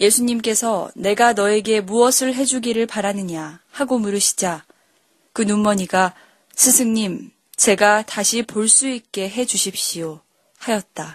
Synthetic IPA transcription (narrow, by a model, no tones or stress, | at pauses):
je̞sʰuɲimk͈e̞sʰʌne̞ɡanʌe̞ɡe̞muʌsʰɯɭɦe̞d͡ʑuɡiɾɯɭpaɾanɯɲahaɡomuɾɯɕʰi̥d͡ʑa | kɯnumːʌɲiɡa | sʰɯsʰɯŋɲim | t͡ɕe̞ɡataɕʰipoɭs͈uik͈e̞ɦe̞d͡ʑuɕʰip̚ɕ͈io | hajʌt̚t͈a